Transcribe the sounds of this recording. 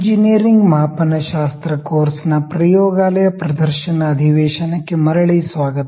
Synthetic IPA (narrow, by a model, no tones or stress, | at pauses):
d͡ʒiniɾiŋɡmɐɦaːpɐnɐʃaːst̪ɾɐkoːɾsnɐpɾɐjoːɡaːlɐjɐpɾɐd̪ɐɾʃɐnɐɐd̪ʱiʋeːʃɐnɐkemɐɾɐɭisʋaːɡɐt̪